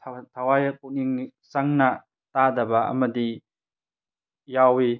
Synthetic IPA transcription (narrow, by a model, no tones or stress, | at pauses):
tʰawajɐkuk̚niŋsaŋnɐ | tadɐbɐɐ̰mɐdi | jawi